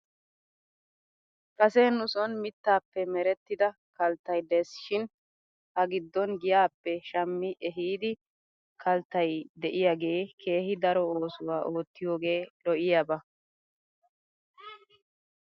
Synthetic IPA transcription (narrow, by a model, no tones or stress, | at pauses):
kʼɐsenʊsɔnmɪt̪ːaːpːɛmɛɾɛt̪ːɪd̪ɐ | kɐlt̪ːɐjd̪ɛːsɪ̥ʃɪn | hɐɡɪd̪ːɔnɡɪjaːpːɛʃɐmːɪʔɛɦiːd̪ɪ | kʰɐlt̪ːɐjd̪ɛʔɪjaɡe̞ːkʰe̞ːhɪd̪ɐɾɔo̞ːsʊwaːʔo̞ːt̪ːɪjoːɡe̞ːlɔʔɪjabɐ